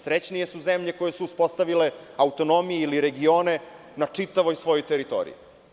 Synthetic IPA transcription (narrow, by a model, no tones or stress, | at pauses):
sɾet͡ɕnije̞suzemʎe̞koje̞suːspo̞st̪aʋile̞ | aut̪o̞no̞mijeiliɾe̞ɡio̞ːne̞ | nat͡ʂit̪aʋo̞jsʋo̞jojt̪eɾit̪o̞̰ːɾḭi